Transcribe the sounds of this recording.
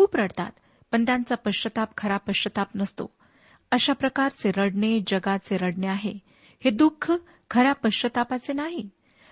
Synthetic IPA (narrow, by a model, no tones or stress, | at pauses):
kuːpɾəɽt̪a̰t̪ | pəɳt̪jant͡sapəɕət̪ap̚kʰəɾapəɕət̪apnəst̪o̰ | əɕapɾəkaɾt͡seɾəɽɳed͡ʑəɡat͡seɾəɽɳeaɦe | hed̪ukʰːə | kʰəɾapəɕət̪apat͡senaɦi